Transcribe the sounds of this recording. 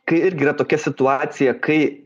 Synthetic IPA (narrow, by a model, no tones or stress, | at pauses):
kɐɪɪɾʲɡʲɪiːɾɐt̪oːkʲɛsʲɪt̪ʊɑːt̪sʲɪjɛkɐɪ